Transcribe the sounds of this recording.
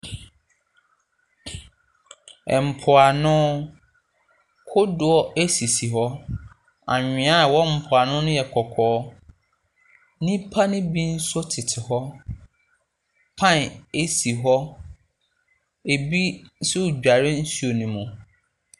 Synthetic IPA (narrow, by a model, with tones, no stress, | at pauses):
ɛ˨m̩˨pʰʊ˨a˨nʊ̃˦ | kʰʊ˦dʊ˨ɔ˦e˦si˨si˨ɦɔ˦ | ã̰˨ɲᶣɪ̃˨a˦˨wɔ˦m̩˨pʰʊ˨a˨nʊ̃˦nʊ̃˦jɛ˨kʰɔ˨kʰɔː˨˦ | nĩ˦pʰa˦nɪ̃˦bĩ˦n̩˦sʊ˦tʰɪ˨tʰɪ˨ɦɔ˦ | pʰã˦ne˦si˨ɦɔ˦ | e˨bi˦n˦sʊ˦u˨d͡ʑᶣa˨ɾɪ˦n̩˦su˦o˨nĩ˨mʊ̃˨